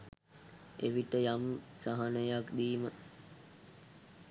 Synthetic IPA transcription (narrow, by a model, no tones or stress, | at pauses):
ḛʋiʈəjamsaɦanəjakd̪iːmə